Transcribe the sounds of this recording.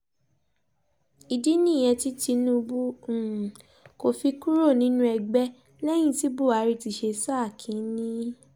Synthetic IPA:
i˨di˦nĩ˦˨j̃ɛ̃˧ti˧ti˧nũ˧bũ˦˨ | ko˨fi˧ku˦ɾo˦˨nĩ˨˦nũ˦ɛ˧ɡ͡bɛ˦ | lɛ˦j̃ĩ˦˨ti˦bu˦˨a˨˦ɾi˧˨ti˧ʃe˧sa˦˨kʰĩ˨˦nĩ˦

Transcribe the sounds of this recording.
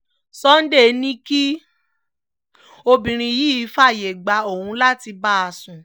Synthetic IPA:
sɔ˦n̩˦de˦˨˧nĩ˦ki˦ | o˧bĩ˨ɾ̃ĩ˧˨jiː˦˧˦fa˦˨je˨ɡ͡ba˧o˦˨hũ˧la˦ti˧ba˦a˧sũ˨

